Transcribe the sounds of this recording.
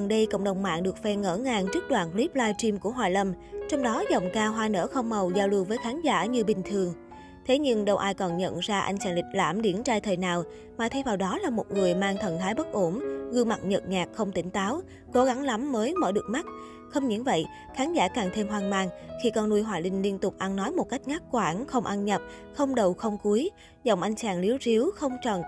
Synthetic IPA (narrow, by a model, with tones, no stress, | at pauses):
ə˨˩nɗə˧jkə̰˧˨wŋ͡mɗə˨˩wŋ͡mma̰ː˧˨ŋɗɨ˨˩ək̚fɛ˧ŋə̰ː˧˩ŋaː˧˩ŋt͡ɕɨ˦˥k̚ɗwa̰ː˧˨nkli˦˥p̚laː˧jt͡ɕi˧mku˧˩əɦwaː˨˩jlə˧˩m | t͡ɕɔ˧wŋ͡mɗɔ˨˦zɔ˨˩wŋ͡mkaː˧wɦwaː˧nə̰ː˧˥xə˧wŋ͡mmə˨˩wzaː˧wlɨ˧əwvəː˨˦jxaː˨˦nza̰ː˧˩ɲɨ˧ɓï˨˩ŋ̟t̪ʰɨ˨˩əŋ | t̪ʰe˨˦ɲɨ˧ŋɗə˧wʔaː˧jkɔ˨˩nɲə̰˧˨nzaː˧ʔa̰˧jŋ̟t͡ɕaː˧˩nlï˨˩k̟̚laː˧˩mɗi˧˩ənt͡ɕaː˧jt̪ʰəː˨˩jnaː˨˩w | maː˨˩t̪ʰə˧jvaː˨˩wɗɔ˨˦laː˨˩mo˨˩t̚ŋɨ˨˩əjmaː˧ŋt̪ʰə̰˧˨nt̪ʰaː˨˦jɓə˦˥k̚ʔo˧˩mɣɨ˧ma˨˩t̚ɲə˨˩t̚ɲaː˨˩k̚xə˧wŋ͡mt̪ï˧˩˦ŋ̟t̪aː˨˦w | ko˨˦ɣa˨˦ŋla˨˦mːəː˨˦jmə̰ː˧˩ɗɨ˨˩ək̚ma˦˥t̚ | xə˧wŋ͡mɲɨ̰˧˥ŋvə̰˧˨j | xaː˨˦nzaː˧˩kaː˨˩ŋt̪ʰe˧mɦwaː˨˩ŋmaː˧ŋxi˧kɔ˧nnu˧jɦwaː˨˩lï˨˩ŋ̟li˧ənt̪ʊ˨˩k͡p̚ʔa˧nːɔ˨˦jmo˨˩t̚ka˦˥jk̟̚ŋa˦˥k̚kwaː˧˩nxə˧wŋ͡mʔa˧nɲə˨˩p̚ | xə˧wŋ͡mɗə˨˩wxə˧wŋ͡mku˨˦j | zɔ̰˧˩wŋ͡mʔa˧jŋ̟t͡ɕaː˨˩nli˨˦əwzi˨˦wxə˧wŋ͡mt͡ɕɔ˨˩n